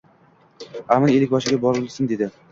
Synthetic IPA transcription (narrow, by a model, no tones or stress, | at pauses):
amanelɪk̚ʲbɒʃɪɡʲabɒɾɪlˠsɪnd̪e̞d̪ɪ